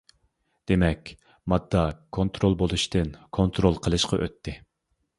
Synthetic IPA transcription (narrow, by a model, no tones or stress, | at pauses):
d̪̥emɛkʲ | mɑd̪ːɑkʰont̪ʰɾolˠbolˠuʃt̪ɨnkʰont̪ɾolˠqʰəlˠɨʃqʰɑʔø̰t̪ʰːɪ